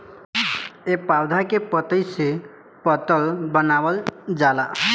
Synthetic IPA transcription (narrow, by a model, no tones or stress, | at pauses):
epawd̪ʱakepɔt̪əjse | pɔt̪ɔlbɔnawɔld͡ʒala